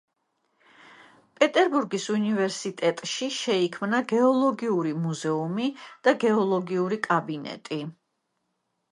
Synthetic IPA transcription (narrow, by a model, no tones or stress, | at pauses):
pʼɛt̪ʼɛɾbuɾɡisunivɛɾsit̪ʼɛt̪ʼʃiʃɛikʰmnaɡɛɔlˠɔɡiuɾimuzɛumid̪̥aɡɛɔlˠɔɡiuɾikʼabinɛ̰t̪ʼi